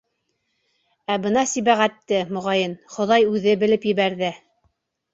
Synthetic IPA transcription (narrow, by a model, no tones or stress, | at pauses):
æbɤnɑsiβæʁæt̪ːɘmŏʁɑjɤnχŏðɑjʉðɘbɘ̆lɘpjɘ̆βæɾðɘ